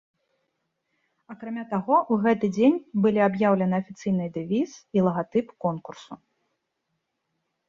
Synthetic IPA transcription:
akɾamʲat̪aɣɔʔuɣɛt̪ɨd͡zʲenʲbɨlʲiabjawlʲɐnɨɐfʲit̪sɨjnɨjd̪ɨvʲiz̥ilˠɐɣat̪ɨpkɔnkursu

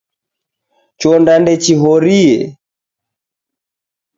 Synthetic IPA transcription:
t͡ʃɔndandɛt͡ʃiɦɔɾiɛ

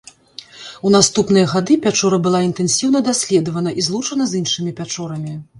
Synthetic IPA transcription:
un̪ast̪upn̪ɨjɐɣad̪ɨpʲat͡ʂɔɾɐbɨlˠaint̪ɛnsʲiwnɐd̪asʲlʲɛd̪ɐvɐnɐʔizlˠut͡ʂɐnɐzinʂɨmʲipʲat͡ʂɔɾɐmʲi

